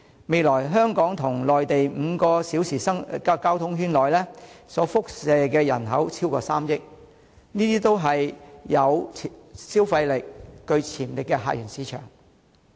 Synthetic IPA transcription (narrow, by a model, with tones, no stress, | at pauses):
me˨˧jlɔː˨˩jɦœː˥ŋkɔː˨˥ŋt̪ʰʊ˨˩ŋlɔː˨jt̪e˨jm̩ː˨˧kɔː˧siː˨˥wsiː˨˩sɐ˥ŋkːkaː˥wt̪ʰʊ˥ŋɦyː˥nlɔː˨jlɛː˥sɔː˨˥fʊ˥k̚sɛː˨˧kɛː˧jɐ̰˨˩nɦɐ˨˥wt͡sʰiː˥wkɔː˧saː˥mjɪ˥k̚ | niː˥t̪iː˥t̪o˥wɦɐ˨jːɐ˨˧wʰ | siː˥wfɐ˧jlɪ˨k̚ːɵ˧ɥt͡sʰiː˨˩mlɪ˨kːɛː˧ɦa̰ː˧jyː˨˩nsiː˨˥t͡ʃʰœ̰ː˨˩ŋ